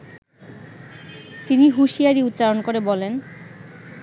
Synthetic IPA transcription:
t̪iniɦuʃiaɾiut̪ːɕaɾonkoɾebɔlen

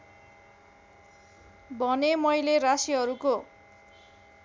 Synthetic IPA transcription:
bʱʌnemʌjlerasiɦʌɾuko

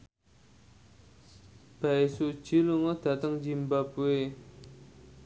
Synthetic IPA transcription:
b̥aesu̥d͡ʒ̥i̤luŋəd̪̥a̤t̪əŋd͡ʒimbabue

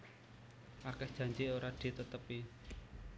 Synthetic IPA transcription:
ʔakɛhd̥ʒ̥a̤ɲd͡ʒioɾad̪̥i̤t̪ət̪əpi

